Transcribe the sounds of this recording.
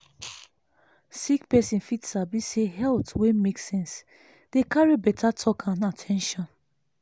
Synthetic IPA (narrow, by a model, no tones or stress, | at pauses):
sikpɛsĩnfitsabiseɦɛltwemeksɛ̃ns | d̥ekaɹibɛtʰatʰɔkʰãnatʰɛ̃nʃɔ̃n